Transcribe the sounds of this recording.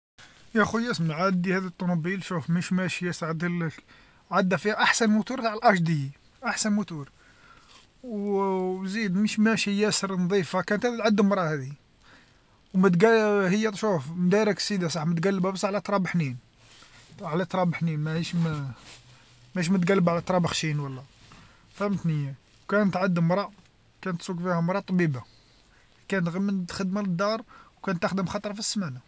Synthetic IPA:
jæxujæsmʕad̪ihæd̪it̪ˤːonubilʃufməʃmæʃjæsɾʕad̪il | ʕad̪ːæfihæʔaħsənmʊt̪uɾt̪aʕlʔɑʃd̪ij | ʔaħsənmut̪uɾ | w | zid̪məʃmæʃjæsəɾnd̪ˤifakænt̪hæd̪æt̪ʕad̪ːəmɾˤɑhæd̪i | wmət̪ɡæhəjːæt̪ʃufmd̪æɾˤəksid̪isˤɑħmət̪ɡælːəbæbəsːʕlæt̪ɾˤɑbħnin | ʕlæt̪ɾˤɑbħninmæhiʃm | mæhiʃ̬mæt̪ɡælːəbʕlæt̪ɾˤɑbəxʃinwəlːæ | fæmət̪nəjːæ | wkænət̪ʕad̪ːəmɾˤɑ | kænət̪sukfihæmɾˤɑt̪ˤbiba | kænət̪ɣæmːənxəd̪maləd̪ːɑɾˤwkænt̪ːəxd̪əmxɑt̪ˤɾˤɑfisːmæna

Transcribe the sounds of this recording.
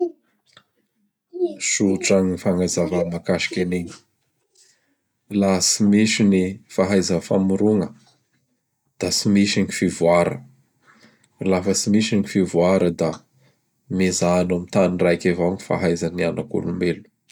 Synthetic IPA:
suʈ͡ʂaŋnifaŋajzavamakaʃi̥kʲeneɲi̥ | lasimiʃinifaɦajzəfamuɾuŋə | d̪̥asimiʃiŋifivuaɾə̰ | lafəsimiʃiŋifivuaɾəd̪a | mezanamit̪anirajkʲevaŋi̥fa̰ɦajzanianakṵlumelu̥

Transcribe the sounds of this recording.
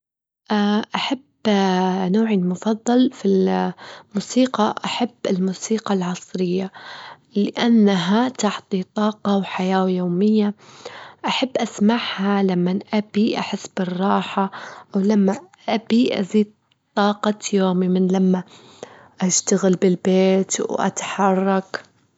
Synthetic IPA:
ʔaʔaħab | noːʕimʊfɑðˤːɑlfil | muːsiːqɑʔaħabːɪlmuːsiːqɑlʕɑsˤɾɪjːa | lɪʔanːaɦat̪aħt̪ˤit̪ˤɑːqɑwħajaːwjoːmɪjːa | ʔaħabːʔasmaʕhalamːanʔabiʔaħɪsːbɪrˤːɑːħaʔawlamːaʔabiʔa̰ziːd̪̚ | t̪ˤːɑːqɑjoːmimɪnlamːa | ʔaʃt̪aɣɪlbɪlbeːt̪wʔa̰t̪ħɑrˤːɑk

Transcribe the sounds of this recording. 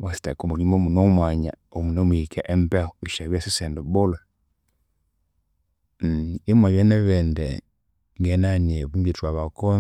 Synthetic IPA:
wasi̥takɔmuɾimɔmunɔmwaɲa̰omunɔmuikɛʔɛmpɛɔiʃaβiasisɛndɔbɔla | imwajɛnɛβɛndɛ | ŋɡɛnanɛβumbitwaβakɔ

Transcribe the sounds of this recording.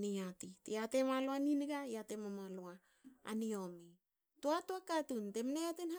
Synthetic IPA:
niatiteatemaloaniniɡajatemamaloa | a̰nio̞mi | toatoakatunte̞mneatenha

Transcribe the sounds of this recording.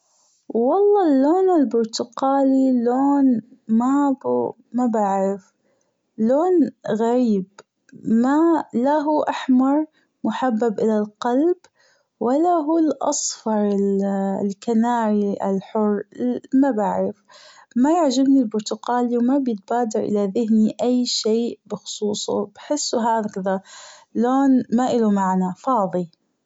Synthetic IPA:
wɑlˤːɑːlːoːnɪlbʊɾt̪ʊqaːliloːnmab | mabaʕɪf | loːnɣaɾiːb | malaɦuːʔaħmɑɾˤ | mʊħabːabʔɪlalqalb | walːaɦuːlʔɑ̰sˤfɑɾˤɪllkanaːɾiʔa̰lħʊrˤːmabaʕɾɪfmajaʕd͡ʒɪbnilbʊɾt̪ʊqaːliwmabjɪt̪̚baːd̪ɑɾʔɪ̰laðɪɦniʔajːʃeːʔbɪxʊ̥sˤuːsˤʊ̰bħɪsːuɦaːðkɪðaloːnmaʔɪlumaʕnafɑːðˤi

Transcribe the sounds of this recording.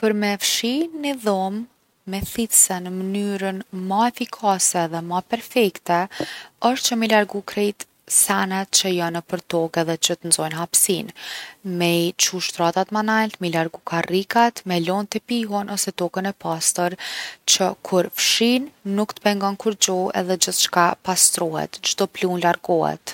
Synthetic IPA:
pəɾmɛfʃinːiðɔmː | ɛθit̪sɛnəmənyɾənmaɛfikʰasɛðɛmapɛɾfɛkt̪ɛəʃt̪̚t͡ʃəmilaɾɡukɾɛjt̪ | sanɛt̪̚t͡ʃəjanːəpəɾt̪ɔkɛðɛt͡ʃət̪ənzɔjnɦapsinmɛt͡ʃuʃt̪ɾat̪at̪manalt̪milaɾɡukʰarikat̪mɛlɔnt̪əpiɦunʔɔsɛt̪ɔkənɛpast̪əɾt͡ɕəkʰuɾfʃinːukt̪ə̥pɛŋɡɔnkuɾd͡ʑɔɛ̰ðɛd͡ʑəθʃkapast̪ɾɔhɛ̰t̪d͡ʒd̪ɔplunlaɾɡɔhɛ̰t̪

